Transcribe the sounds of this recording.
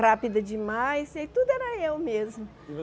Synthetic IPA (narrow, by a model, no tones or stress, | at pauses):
hapid̪ɐd͡ʒɪmajsajt̪ud̪ʊɛɾɐewmezmʊ